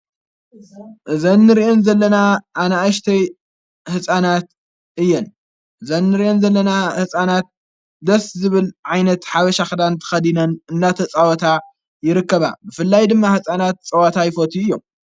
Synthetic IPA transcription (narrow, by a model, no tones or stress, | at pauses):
ʔɨzɐnːɨɾiʔonzɐlːɐnaʔːnaʔaʃt̪ʰɐj | hɨsʼanat̪ | ʔɨjːɛn | ʔɨzɐnːɨɾiʔonzɐlːɐnahɨsʼanat̪̚ | d̪ɐszɨβɨlʕajnɐt̪ħaβɐʃaxɨd̪ant̪ʰɐ̥xɐd̪inɐnɨnːat̪ʰɐt͡sʼawɐt̪ʰa | jɪɾɨkːɐβa̰bɨfɨlːajd̪ɨmːahɨsʼanat̪̚t͡sʼɐwɐt̪ʰajɪfot̪ʰiɨjːom